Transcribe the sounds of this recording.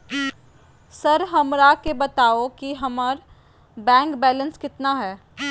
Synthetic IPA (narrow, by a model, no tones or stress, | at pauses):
sɐɾɦɐmɾakebɐt̪aːokiɦɐməɾ | bɛ̃ːŋkbɛːlə̃nskɪt̪naɦɛː